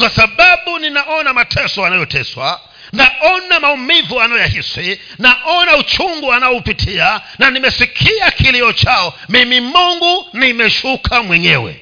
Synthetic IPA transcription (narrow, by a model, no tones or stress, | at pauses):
kwasaɓaɓuninaʔɔnamatʰɛsɔanajɔtɛswa̰ | naʔɔnamaumivuanajɔjahisi | naʔɔnaut͡ʃuŋɡuanaɔupitʰiananimɛsikʰiakʰiliɔt͡ʃaɔmimimuŋɡunimɛʃukʰamwɛɲɛwɛ̰